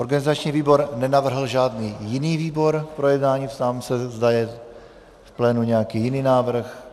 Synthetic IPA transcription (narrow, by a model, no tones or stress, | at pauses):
ʔo̞ɾɡanɪzat͡ʃɲiːviːbo̞ɾnɛnavr̩ɦl̩ʒaːdniːjɪniːviːbo̞ɾpɾo̞jɛdnaːɲiːft̪amsɛzd̪ajɛ | fplɛːnuɲɛjakiːjɪniːnaːvr̩x